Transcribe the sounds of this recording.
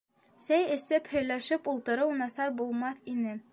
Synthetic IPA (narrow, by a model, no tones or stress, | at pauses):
sæjɘ̆sɘphɵ̆jlæʃɘpulˠt̪ɤ̆ɾɤwnɑsɑɾbulˠmɑθinɘ